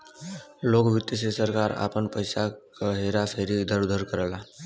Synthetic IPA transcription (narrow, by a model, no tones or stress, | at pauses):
loːkbʱɪt̪ːəsesəɾkaːɾa̰ːpənpəɪsakəɦeːɾasəɦɾid̪ʱəɾud̪ʱəɾkəɾəlaː